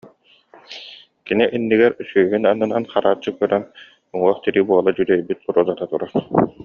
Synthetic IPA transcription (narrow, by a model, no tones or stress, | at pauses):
kiniʔinːiɡɛɾsyːɦynanːɯnanχaɾaːt͡ɕːɯkœɾɛn | uŋuɔχt̪iɾibuɔlˠad͡ʑud̪ɛjbit̪ːuɾuːzat̪at̪uɾaɾ